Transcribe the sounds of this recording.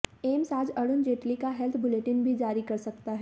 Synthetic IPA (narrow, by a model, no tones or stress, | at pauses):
eːmsaːd͡ʒɐɽʊnd͡ʒeːʈlikaɦɛlt̪ʰbʊleːʈɪnbʱid͡ʒaːɾikɐɾsɐkt̪aɦɛː